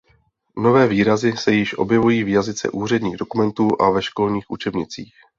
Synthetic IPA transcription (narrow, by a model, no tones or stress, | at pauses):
no̞vɛːviːɾazɪsɛjɪʃʔo̞̰bjɛvujiːvjazɪt͡sɛ̰ʔuːr̝ɛdɲiːɣdo̞kumɛnt̪uːʔavɛʃko̞lɲiːxʔut͡ʃɛbɲɪt͡sḭːx